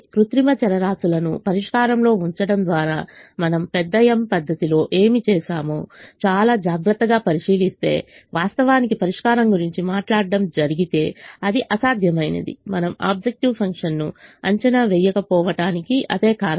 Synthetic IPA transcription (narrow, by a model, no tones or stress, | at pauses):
kɾut̪ɾimɐt͡ʃɛɾɐɾaːsulɐnṵpɐɾiʂkaːɾɐmlo̞ːuɲt͡ʃɐɽɐmd̪ʋaːɾaːmɐnɐmpɛd̪ːɐjɐmpɐd̪ʱːɐt̪ilo̞ːʔe̞ːmit͡ʃɛːʃaːmoːt͡ʃaːlaːd͡ʒaːɡɾɐt̪ːɐɡaːpɐɾiʂiːlist̪e̞̰ːʋaːst̪ɐʋaːnikipɐɾiʂkaːɾɐmɡuɾiɲt͡ʃimaːʈlaːɖːɐmd͡ʒɐɾiɡit̪e̞ːɐd̪iʔɐsaːd̪ʱjɐmɐjnɐ̰d̪ḭmɐnɐma̰ːb̚d͡ʒek̚ʈiʋpʰɐŋkʂɐnːuɐ̰ɲt͡ʃɐnaʋɛjɐkɐpɔːʋɐʈaːnikiʔɐ̰d̪e̞ːkaːɾɐ